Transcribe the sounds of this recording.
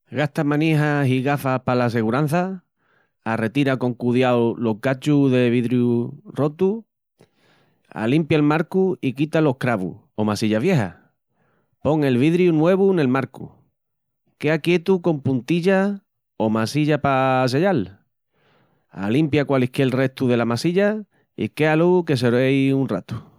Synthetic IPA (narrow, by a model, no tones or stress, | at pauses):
ɡaht̪amãniɦasiɣafahpalas̬e̞ɣuɾan̟θa | are̞t̪iɾako̞ŋkuðjawolo̞ɦɡat͡ʃuðe̞β̞iðɾjuro̞t̪u | a̰limpjaelmaɾkuikit̪alo̞hkɾaβṵ | o̞masiʎaβje̞ɦa̰ | po̞ŋe̞lβ̞iðɾjunwe̞β̞une̞lmaɾkṵ | keakje̞t̪uko̞mpunt̪iʎa | o̞masiʎapas̬e̞ʎal | a̰limpjakwalehkelre̞ht̪uðe̞lamasiʎa | ḭke̞aluke̞s̬eɾejunrat̪u̥